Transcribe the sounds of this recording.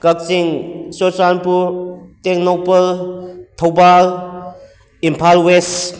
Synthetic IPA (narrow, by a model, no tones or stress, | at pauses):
kɐk̚siŋsosanpuɾteknopɐltʰowbal | impʰalwes